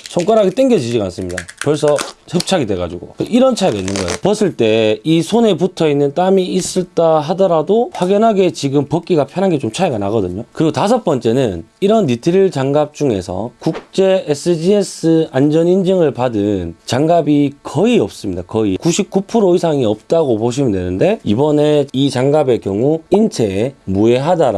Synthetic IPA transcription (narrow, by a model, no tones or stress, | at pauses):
sʰoŋk͈aɾɦaɡet͈eŋɡed͡ʑid͡ʑiɡans͈ɯmɲida̰pʌɭs͈ʰʌsʰʌp̚t͡ɕʰaɡidwe̞ɡad͡ʑuɡo̰keʔiɾʌnt͡ɕʰaeɡainːɯnɡʌḛjopʌs͈ʰɯɭt͈e̞isʰone̞p̬utʰʌinːɯnt͈amiis͈ɯɭt͈aɦadʌɾadoɸwaɡjinɦaɡe̞t͡ɕiɡɯmpʌk͈iɡapʰjʌnɦanɡe̞t͡ɕomt͡ɕʰaeɡanaɡʌdɯɲokɯɾiɡotasʰʌp͈ʌnt͡ɕ͈e̞nɯniɾʌnːitʰiɾiɭt͡ɕaŋɡap̚t͡ɕ͈uŋe̞sʰʌ̰kuk̚t͡ɕ͈e̞es͈ʰɯd͡ʑiesɯand͡ʑʌnind͡ʑɯŋɯɭpadɯnt͡ɕaŋɡabikʌiʌp̚s͈ɯmɲidakʌikuɕʰip̚k͈upʰɯɾoisʰaŋiʌp̚t͈aɡopoɕ̬ʰimɯne̞̰nɯnde̞ibʌne̞it͡ɕaŋɡabe̞kjʌŋuint͡ɕʰe̞mue̞ɦadaɾa